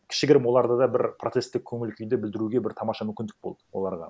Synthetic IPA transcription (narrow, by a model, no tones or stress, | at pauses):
kʲʰɪ̥ʃɪɡʲɪɾɪmwo̞lˠɑɾd̪əd̪ɑbɪɾpʰro̞t̪se̞st̪ːɪkʲʰɵŋɪlkʲʰʏjd̪ebɪld̪ɪɾuɡʲe̞bɪɾt̪ʰɑmɑʃɑmʏmkʲɪnd̪ɪ̥k̚bo̞lˠd̪ə̥wo̞lˠɑɾʁɑ̰